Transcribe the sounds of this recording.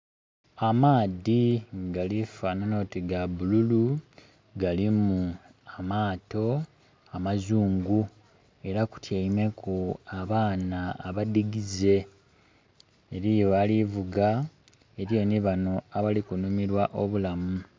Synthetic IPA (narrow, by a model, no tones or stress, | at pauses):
amaːðiɡalifanano̞tiɡabululu | ɡalimu | amaːto̞ | amazuːŋɡu | e̞ɾaku̥tʰjeime̞kʰuaβaːnaːβadiɡize̞ | ɾijoalivuɡa | eɾjo̞niβano̞aβalikunumiɾwaʔo̞βulamu